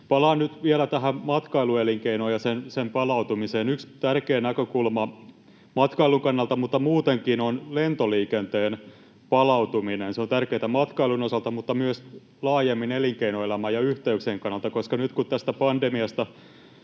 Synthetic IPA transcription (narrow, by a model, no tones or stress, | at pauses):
pɑlɑːnnyt̪ʋielæt̪æɦæmɑt̪kɑilueliŋkeinojɑsensempɑlɑut̪umiseːnykst̪ærkeːnækøkulmɑ | mɑt̪kɑiluŋkɑnːɑlt̪ɑmut̪ːɑmuːt̪eŋkinonlent̪oliːkent̪eːn | pɑlɑwt̪uminenseont̪ærkeːt̪æmɑt̪kɑilunosɑlt̪ɑmut̪ːɑmyøs | lɑːjemːineliŋkeinoelæmæːjɑyht̪eykseːŋkɑnːɑlt̪ɑkoskɑnyt̪kut̪t̪æst̪æpɑndemiɑst̪ɑ